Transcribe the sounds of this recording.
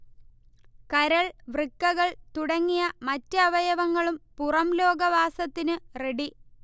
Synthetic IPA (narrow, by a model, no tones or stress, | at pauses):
kɐɾɐɭʋrɨkːɐɣɐɭt̪uɽɐŋːijɐmɐtːɨɐʋɐjɐʋɐŋːɐɭumpurɐmlo̞ːɡɐʋaːsɐt̪ːinɨreɽi